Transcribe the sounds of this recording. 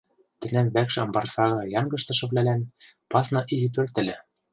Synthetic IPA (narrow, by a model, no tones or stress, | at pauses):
t̪ɘ̆næmβækʃɘ̆ɤ̆mbɑrsɑɣɤ̆jɑŋɡɤ̆ʃt̪ɤ̆ʃɤ̆βlʲælænpɑsnɑʔizip̪ørt̪ɘ̆lʲɘ̆